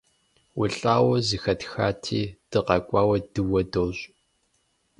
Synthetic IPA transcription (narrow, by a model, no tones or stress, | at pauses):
wʊɬʼaːwɐzɨxɐtxaːtʰiːd̥ɨqɐkʷʼɑːwɐdɨwɐdoːɕʼ